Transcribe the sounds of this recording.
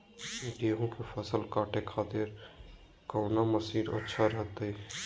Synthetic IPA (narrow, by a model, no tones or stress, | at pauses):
ɡeːɦũkepʰəsəlkaːʈʰekʰaːt̪ɪɾ | kəːnaməsiːɾə̰tːʃʰaɾəɦət̪əi